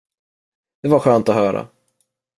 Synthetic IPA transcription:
d̪̥ɛvaɾɧœːnt̪ɔɦœːɾa̰

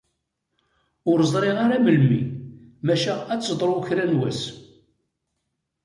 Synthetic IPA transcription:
ʊɾzˤɾˤeʁaɾaməlmimæʃææt͡sːəd̪ˤɾˤʊçɾænwæs

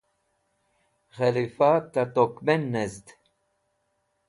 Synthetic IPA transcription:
ɣɛlifat̪at̪okmɛnːɛzd̪

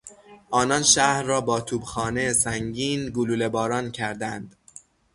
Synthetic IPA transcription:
ʔɒːnɒnʃæhɾːɒːbɒːt̪ʰuːbxɒːnejesæŋɟiːnɡoluːlebɒːɾɒːncʰæɾd̪ænd̪̥

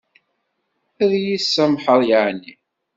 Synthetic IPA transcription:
æðjisːæmħəɾˤjəʕnːi

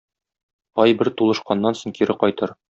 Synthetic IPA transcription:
ɒjbɘɾt̪ulˠɤ̆ʃqɑnːɑnsŏɴkiɾɘqɒjt̪ɤɾ

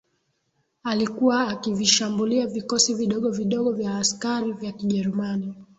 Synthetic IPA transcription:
alikuwaːkiviʃambuliavikɔsiviɗɔɠɔviɗɔɠɔvjaːskaɾivjakiʄɛɾumani

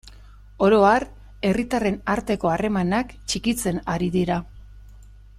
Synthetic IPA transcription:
o̞ɾo̞ar | e̞rit̪are̞naɾt̪e̞ko̞are̞manakt͡ʃikit͡se̞naɾiðiɾa

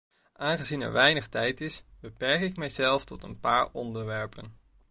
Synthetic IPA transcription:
ʔaːnχəzinɛ̰ɹʋɛjnəχtɛjtɪsb̥əpɛɹkɪkmɛjzɛlˠftɔtə̰npaːɹɔndəɹʋɛɹpən

